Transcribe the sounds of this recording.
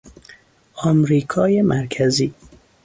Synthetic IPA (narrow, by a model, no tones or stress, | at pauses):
ɒmɾiːkʰɒːjemʔæɾkʰæziː